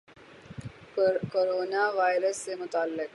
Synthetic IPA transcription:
koːɾoːnaʋaːɪɾəsːemʊt̪aːlːɪk

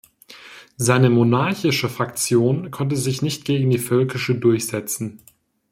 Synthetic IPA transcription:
zaɪnəmonaɐçɪʃəfʁ̥akt͡sjoːnkʰɔntəzɪçnɪçt̚ɡ̥eːɡŋ̩diːfœlkɪʃədʊɐçz̥ɛt͡sn̩

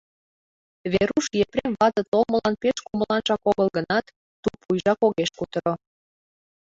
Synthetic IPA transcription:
βeɾuʃjepɾemβɑt̪ə̆t̪olmə̆lɑnpeʃkuməlɑnʒɑkoɣəlˠɣənɑt̪ː | upujʒɑkoɣeʃkut̪əɾo

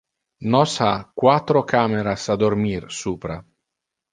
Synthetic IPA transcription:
nɔsakːwat̪ːɾokʰaːmeɾasad̪ormirsuːpɾa

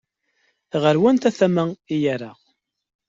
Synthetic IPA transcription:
ʁəɾwænt̪æθæmæijæɾa

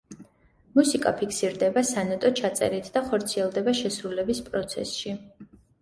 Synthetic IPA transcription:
musikʼa̰pʰikʰsiɾd̪ɛbasanɛt̪ʼɔt͡ʃʰat̪sʼɛ̰ɾit̪ʰd̪̥aχɔɾt̪sʰiɛlˠd̪ɛbaʃɛsɾulɛbispʼɾɔt̪sʰɛ̰sʃi

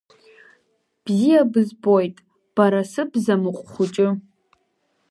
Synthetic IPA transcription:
b̥zijabɨzbojtʼ | b̥aɾasɨbzamɨqʷʼχʷʊt͡ʃʼɪ

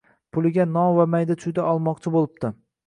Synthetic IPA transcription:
pʰʊlˠɪɡʲanɒvamajd̪at͡ʃ̪ʰʊjd̪aʔɒlˠmɒqt͡ʃʰɪbolˠɪp̚t̪ɪ

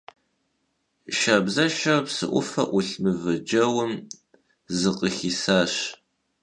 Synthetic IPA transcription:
ʃabzɐʃɐrpsɨ̰ʔʷʊfɐ̰ʔʷʊɬmɨvɐd͡ʒɐwʊm | zɨqʼəxisaːɕ

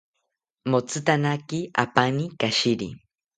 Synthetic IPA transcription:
mot͡sʰɨt̪anakia̰panikaʃiɾḭ

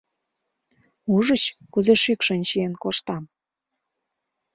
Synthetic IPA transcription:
uʒət͡ɕkuzeʃykʃənʲt͡ɕienkoʃt̪ɑm

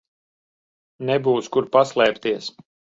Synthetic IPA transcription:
nɛbuːskuɾpaslˠɛːpt̪iɛs

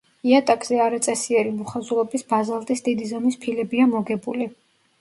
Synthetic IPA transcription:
iat̪ʼakʼz̥ɛaɾat̪sʼɛsiɛɾimuχazulɛbisbazalˠt̪ʼisd̪id̪izamispʰilɛbiamɔɡɛbuli

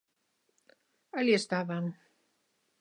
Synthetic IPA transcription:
aliest̪aβam

